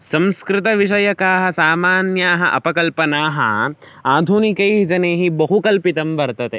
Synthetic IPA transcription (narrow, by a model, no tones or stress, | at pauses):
sɐ̃mskɾɪt̪ɐʋiʃɐjɐkaːɦɐsaːmaːnjaːɦɐʔɐpɐkɐlpɐnaːɦɐ̰ | aːd̪ʱunikɐjʋid͡ʒɐneːɦibɐɦukɐlpit̪ɐmbɐɾt̪ɐt̪e